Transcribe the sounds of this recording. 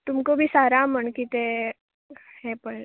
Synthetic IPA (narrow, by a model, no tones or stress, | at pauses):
t̪umkobʱiːsaɾãm̤əɳkit̪e | hɛpəɭ